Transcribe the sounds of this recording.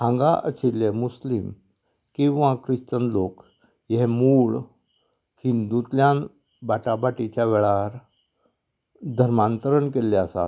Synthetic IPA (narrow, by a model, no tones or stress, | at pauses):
ãŋɡa̰ʔə̰t͡ɕilemuslim | kĩʋãkɾiɕt̪ənlok | jeɦemuːɭ | hind̪ut̪ljãn | baʈabaʈit͡ɕjaʋeɭaɾ | d̪ʱəɾmant̪əɾəɳkelːeasa̰